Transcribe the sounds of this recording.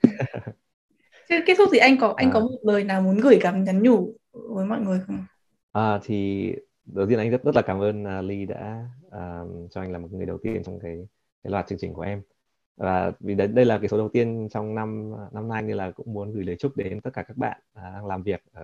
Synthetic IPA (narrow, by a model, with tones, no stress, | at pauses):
t͡ɕke˦˥t̪ʰʊ˦˥t̪i˨˩ʔa˧jŋ̟kɔ˨˦ʔa˧jŋkɔ˨˦mo˨˩t̚ləː˨˩jnaː˨˩wmu˨˦nɣɨ˧˩jkaː˨˦mɲa˨˦nɲu˧˩ | vəː˨˦jmɔ̰˧˨jŋɨ˨˩əjxə˧wŋ͡m | ʔəː˨˩t̪ʰi˨˩ | ɗə˨˩t̪i˧ənʔŋzə˦˥t̚zə˦˥t̚laː˨˩kaː˨˦mʔəː˧nəː˨˩li˧ɗa̰ː˧˥ʔəː˨˩t͡ɕɔ˧ʔa˧jŋaː˨˩mo˨˩˨ŋ˨˩əjɗə˨˩wt̪i˧ənt͡ɕɔ˧ŋ͡mkaː˨˦j | kaː˨˦jlwaː˨˩t̚t͡ɕɨ˧əŋt͡ɕï˨ŋ̟ku˧˩əʔɛ˧m | vaː˨˩vi˨˩ɗə˨˧ɗə˧jlaː˨˩kaː˨˦jso˨˦ɗə˨˩wt̪i˧ənt͡ɕɔ˧wŋ͡mna˧m˨na˧mna˧jni˧laː˨˩kʊ̰˧˥ŋ͡mmu˨˦ənɣɨ˧˩jləː˨˩jt͡ɕu˦˥t̚ɗe˨˦mt̪ə˦˥t̚kaː˧˩kaː˦˥k̚ɓa̰ː˧˨nʔəː˨˩a˧ŋlaː˨˩mvi˨˩ək̚ʔəː˧˩